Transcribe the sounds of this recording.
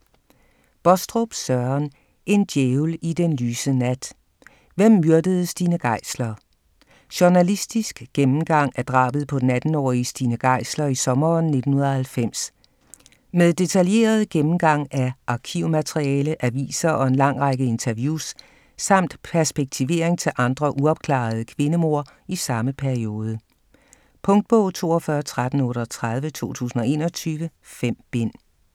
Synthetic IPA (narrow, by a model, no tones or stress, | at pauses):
b̥ɒsd̥ʁob̥sɶɐn | ʔe̝nd̥jeːʊlid̥enlyːsənæd̥ | ʋem̰ːyɐd̥əð̞̩ˠəsd̥iːnəɡ̥ɑ̈ɪ̰slɐ | ɕuɐnælisd̥isɡ̥ɡ̥emm̩ɡ̥ɑ̈ŋ̰æɐd̥ʁɑ̰̈ːb̥ð̩ˠpʰɒ̽næd̥n̩ɒ̰ːisd̥iːnəɡ̥ɑ̈ɪ̰slɐisɒ̽mɐːnːe̝d̥n̩hunˠɐhælfem̰s | með̞ˠd̥e̝t͡sʰælje̝̰ːɐð̞ˠɡ̥emm̩ɡ̥ɑ̈ŋ̰æʔɑ̈kʰiʊ̰mæt͡sʰʁiɛːləʔæʋḭːsɐʔɒ̽e̝nlɑ̈ŋ̰ʁaɡ̥əe̝nt͡sʰɐʋjuːsː | ɑ̈m̰d̥pʰæɐsb̥eɡ̥̚t͡sʰiʋe̝̰ɐ̰eŋt͡sʰe̝lʔɑ̈nd̥ʁɐʔuɒ̽b̥̚kʰlɑ̰̈ːð̞̩ˠəkʰʋe̝nəmo̝ɐ̰ | isɑ̈məpʰæɐio̝ːð̞ˠə | pʰɔ̽ŋd̥̚b̥ɔ̽ʊ̰t͡sʰo̝̰ːɒfɶɐt͡sʰʁad̥n̩ɔ̽ːɾɒt͡sʰʁɑð̞ˠʋət͡sʰo̝̰ːt͡sʰṵːsn̩ɒe̝̰ːnɐt͡sʰyːʋəfem̰b̥en̰